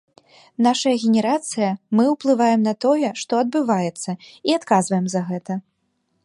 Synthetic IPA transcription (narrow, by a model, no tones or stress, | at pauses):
naʂɐjɐɣʲɛnʲɛɾat̪sɨjɐmɨwplˠɨvajɛmnɐt̪ɔjɛʂt̪ɔɐd̪̚bɨvajɛt̪sːɐiat̪kazvɐjɛmzɐɣɛt̪ɐ